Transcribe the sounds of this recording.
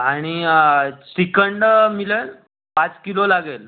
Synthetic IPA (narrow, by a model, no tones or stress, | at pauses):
aɽ̃i | sikəɳɖmiləl | pat͡skilolaɡel